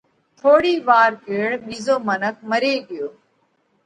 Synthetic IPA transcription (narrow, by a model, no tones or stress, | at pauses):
t̪ʰoːɽiːʋaːɾkeːɽɓiːzoːmənəkʰməɾeːɠɪjoː